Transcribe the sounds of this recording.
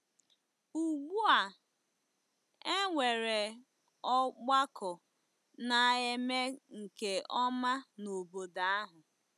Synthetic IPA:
u˨ɡ͡bu˦a˨ | e˦ŋʷe˨ɾe˨ | ɔ˦ɡ͡ba˦kɔ˨ | na˨e˦me˦ŋ̩˨ke˨ɔ˦ma˦no˨bo˨da˨a˦ɦʊ˨

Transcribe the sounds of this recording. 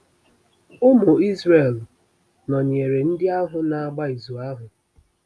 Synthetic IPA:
ʊ˦mo˨i˦zre˦˨l | nɔ˨ɲ˨e˨ɾe˨n̩˦dɪ˦a˦ɦʊ˨na˨a˨ɡ͡ba˦i˨zu˨a˦ɦʊ˨

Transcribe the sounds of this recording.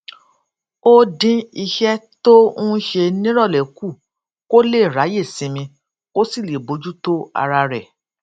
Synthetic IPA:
o˦dĩ˧i˧ʃɛ˦to˦ũ˦ʃe˧nĩ˦ɾɔ˦˨lɛ˨ku˦˨ | ko˦le˦˨ɾa˨˦je˦˨sĩ˨˧mĩ˧ | ko˦si˦˨le˨bo˨˦d͡ʒu˦to˦a̰˧ɾa˧ɾɛ˨

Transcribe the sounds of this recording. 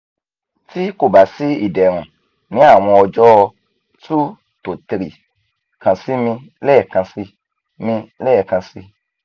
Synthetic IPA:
ti˦ko˦˨ba˨si˨˦ḭ˦˨dɛ˨ɾ̃ũ˨ | nĩ˨˦a˦˨w̃ɔ̃˧ɔ˧d͡ʒɔ˦ɔ˧ | tu˦ | to˨ti˧ɾi˨ | kã˨si˨˦mĩ˧lɛ˦˨kã˧si˧ | mĩ˧lɛ˦˨kã˧si˧

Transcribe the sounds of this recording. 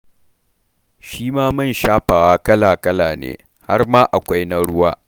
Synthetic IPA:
ʃiː˦maː˦mɐ˦˨nʃaː˦ɸaː˨waː˦kɐ˦laː˨kɐ˦laː˨nḛː˨˦ | ha˦rmaː˦ʔa˨kʷa˦jna˦ɽʊ˦waː˦

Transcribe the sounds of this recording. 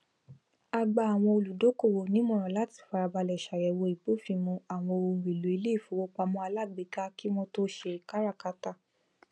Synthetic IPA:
a˧ɡ͡ba˧a˨w̃ɔ̃˧o˧lu˨do˨˦ko˦˨wo˨nĩ˨˦mɔ̃˦˨ɾ̃ɔ̃˨la˨˦ti̥˦˨fa˧ɾa˧ba˧lɛ˨ʃa˨jɛ˨wo˧i˨bo˨˦˨fi˧mɔ̃˧a˨w̃ɔ̃˧o˧˨ɾi˨lu˨i˧le˦i˦˨fu˨˦wo˦k͡pa˧mɔ̃˧a˧la˦˨ɡ͡be˨ɡa˦ki˦mɔ̃˦to˦ʃe˧˨ka˦ɾa˦˨ka˨˦ta˦˨

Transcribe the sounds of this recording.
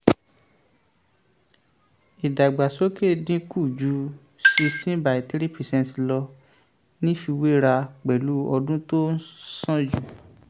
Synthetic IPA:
i˨da˨ɡ͡ba˨so˦ke˦˨dĩ˦ku˦˨d͡ʒu˨˦ | si˧sĩ˦ba˨i˨ti˦ɾi˦pi˧˨sɛ̃˧n˨ti˨lɔ˧ | nĩ˦fi˧we˦ɾa˧k͡pɛ˨lu˨˦ɔ˧dũ˦to˦sɔ̃˦d͡ʒu˨

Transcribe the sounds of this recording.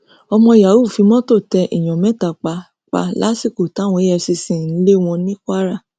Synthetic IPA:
ɔ˧mɔ̃˧˨ja˨wu˦˨fi˨˧˦mɔ̃˦to˦˨tɛ˧ʔi˨j̃ɔ̃˨mɛ̃˨˦˨ta˨k͡pa˧ | k͡pa̰˧la˦si˦˨ko˨ta˨˦˨w̃ɔ̃˧i˦ɛ˧si˧sĩ˨n̩˦le˦w̃ɔ̃˧nĩ˦kʷa˦ɾa˦˨

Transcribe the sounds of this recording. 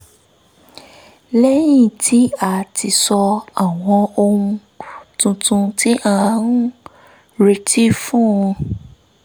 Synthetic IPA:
lɛ˦j̃ĩ˦˨tʰi˨˦a˦˨tʰi˧sɔ˧a˨w̃ɔ̃˧o˧hũ˧ | tũ˧tũ˧ti˦ʔã˦˧˦n̩˦ | ɾe˧˦tʰi˦fũ˦ũ˧

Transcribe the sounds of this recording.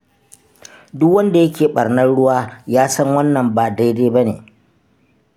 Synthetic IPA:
dʊ˦kwɐ˦nda˨jɐ˦kʲʰeː˨ɓɐ˨rnɐ˦nɽʊ˦waː˦jaː˦sɐ˦ŋwɐ˦nːɐ˨mbaː˨da˦jdeː˦ba˦nḛː˨

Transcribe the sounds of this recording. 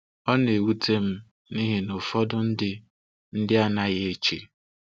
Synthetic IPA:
ɔ˦ne˨wu˦tʰe˦m̩˦ | ni˦ɦɪ˨no˨fɔ˦dʊ˦n̩˦dɪ˦ | n̩˦dɪ˦a˦na˦ɣe˨t͡ʃe˨

